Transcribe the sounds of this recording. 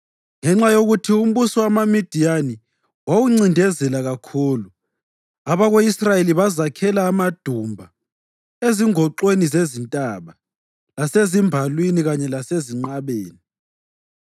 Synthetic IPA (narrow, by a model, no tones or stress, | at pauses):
ŋɛŋ͡ǁajoɣutʰium̩βusɔwamamid̥ʱiani | wawuŋ͡ǀindʱɛzɛlaɣakʰuːlu | aβaɣoisrajeliβazakʰɛlaːmad̥ʱumbʱa | eziŋʱɔǃwenizezintʼaβa | lasezimbʱalwiniɣaɲɛlaseziŋ͡ǀaβeːni